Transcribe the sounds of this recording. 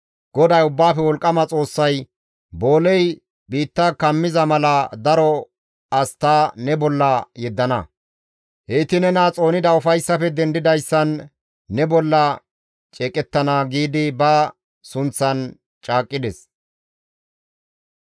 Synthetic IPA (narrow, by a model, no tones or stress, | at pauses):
ɡ̥ɔd̪ɐjʊbːaːfɛwɔlkʼːɐmɐt͡sʼo̞ːsːɐj | bo̞ːlɛj | biːt̪ːaːkɐmːɪzɐmɐlɐd̪ɐɾɔ | ɐst̪aːnɛbɔlːɐjɛd̪ːɐnɐ̰ | heɪt̪ɪnɛnat͡sʼo̞ːnɪd̪ɐʊfɐjsːɐfɛd̪ɛnd̪ɪd̪ɐjsːɐnː | ɛbɔlːɐ | t͡ʃʼɛːkʼɛt̪ːɐnɐɡiːd̪ɪbɐ | sʊnt͡sːɐn | t͡ʃʼaːkʼːɪd̪ɛs